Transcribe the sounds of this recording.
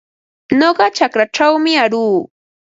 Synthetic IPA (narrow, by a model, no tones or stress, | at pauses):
ɲoɢɑt͡ʃakɾaʈ͡ʂawmɪaɾuː